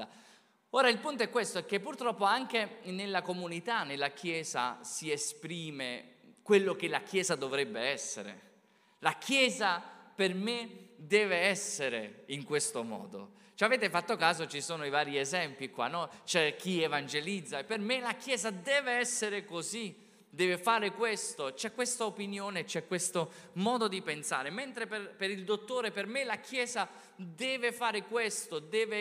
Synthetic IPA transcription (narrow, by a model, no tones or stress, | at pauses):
oːɾailpunt̪oɛkːwest̪oɛkːepːurt̪ɾɔpːoaŋk̟enelːakomunit̪anelːak̟ʰjɛːza̰siespɾiːmekwelːok̟elak̟jɛːzad̪ovɾɛbːeɛsːḛɾḛ | lakʰjɛːzapermed̪ɛːveɛsːeɾeiŋkwest̪omɔ̰ːd̪o̰ | t͡ʃavɛːt̪efat̪ːokaːzot͡ʃisoːnoivaːɾiezɛmpikwa̰nːɔt͡ʃɛk̟ːievand͡ʒelid̪zːaepːermelak̟jɛːzad̪ɛːveɛsːeɾekozi | d̪ɛːvefaːɾekwest̪ot͡ʃɛkːwest̪aopinjoːnet͡ʃːɛkːwest̪omɔːd̪od̪ipensa̰ːɾement̪ɾeperpeɾild̪ot̪ːoːɾepermelak̟jɛːza | d̪ɛːvefaːɾekwest̪od̪ɛːve